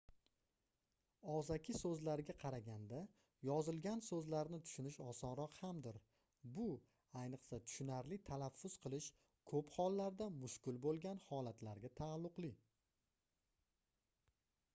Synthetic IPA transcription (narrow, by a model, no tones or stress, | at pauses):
ɒzakʲʰɪsɵzlaɾɡʲaqʰɑɾaɡʲand̪a | jɒzɪlˠɡʲansɵzlaɾnɪt̪ʰʊ̥ʃʊnɪʃɒsɒnɾɒqhamd̪ɪɾ | bʊ | ajnɨqsat̪ʰʊ̥ʃʊnaɾlɪt̪ʰanafːʊz̥qʰɨlˠɪʃ | kʰɵphɒlˠːaɾd̪amʊʃkʲɪlbolˠɡʲanhɒlat̪ʰlaɾɡʲat̪ʰaːlˠːʊqlˠɪ